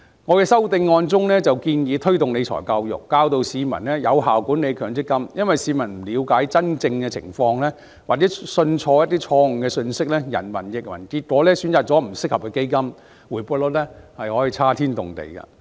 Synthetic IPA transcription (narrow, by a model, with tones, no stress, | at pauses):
ŋɔː˨˧kɛː˧sɐ˥wt̪ɪ˧ŋːɔː˧nt͡sʊ˥ŋlɛː˥t͡sɐ˨wkiː˧njiː˨˧t̪ʰɵ˥ɥt̪ʊ˨ŋne˨˧jt͡ʃʰɔ̰ː˨˩jka˧wjʊ̰˨˩kːaː˧wt̪o˧wsiː˨˧mɐ̰˨˩nlɛ˥jɐ˨˧wɦaː˨˩wkuː˨˥ne˨˧jkʰœː˨˩ŋt͡sɪ˥kːɐ˥mjɐ˥nwɐ˨jsiː˨˧mɐ˨˩nm̩˨˩liː˨˧wkaː˨˥jt͡sɐ˥nt͡sɪ˧ŋkɛː˧t͡sʰɪ̰˨˩ŋfɔː˧ŋlɛː˥ | waː˨˩t͡sɛ˨˦˥sɵ˧nt͡ʃʰɔː˧jɐ˥t̚t̪iː˥t͡ʃʰɔː˧ŋ̩˨˩kɛː˧sɵ˧nsɪ˥k̚lɛː˥jɐ̰˨˩nmɐ˨˩njɪ˨k̚mɐ̰˨˩nkiː˧t̚kʷɔː˨˥lɛː˥syː˨˥nt͡saː˨˩t̚t͡sɔː˨˥m̩˨˩sɪ˥k̚hɐ˨p̚kɛ˧ke˥jkɐ˥m | wuː˨˩jpuː˧˥lʊ˥t̚lɛ˥hɐ˨jhɔː˨˥jiː˨˧t͡sʰaː˥t̪ʰiː˥nt̪ʊ̰˨˩ŋt̪ḛ˨jkɐ̰˧